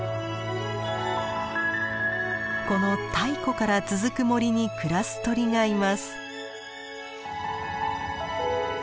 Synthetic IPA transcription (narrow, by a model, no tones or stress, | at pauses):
ko̞no̞t̪ʰaiko̞kaɾat͡sɨzɨkɯ̟mo̞ɾʲiɲ̟ikɯ̟ɾasɨ̥t̪o̞ɾʲiŋaimasɨ̥